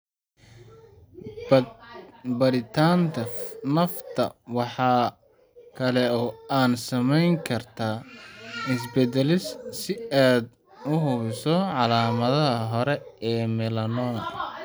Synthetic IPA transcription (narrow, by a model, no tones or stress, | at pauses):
bɐɾɪt̪ʰaːnt̪ʰɐnɐft̪ʰɐ̰wɑħɑː | kʰɐlɛɔːaːnsɐmɛjŋkʰɐrt̪ʰaː | ɪs̬bɛd̪ɛlɪssɪaːd̪ | ʊɦʊβɪsɔʕɑlaːmɐðɐɦɐɦɔɾɛɛːmɛlɐnɔːn